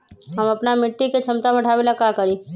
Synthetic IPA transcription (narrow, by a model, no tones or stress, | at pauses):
ɦəmɐpnamɪʈːiket͡ʃʰəmt̪abəʈʰabelakakəɾi